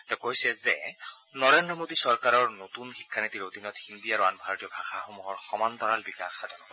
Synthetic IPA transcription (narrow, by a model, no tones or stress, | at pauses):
tɛkojsɛzɛnɔɹendɹɔmodisɔɹkaɹɔɹnotunxikʰːanitiɹodinɔtindijaɹɔanbʱaɹotiɔbʱaxaxomuɦɔɹxɔmant̪ɔɹalbikaxxadɔnɔbɔ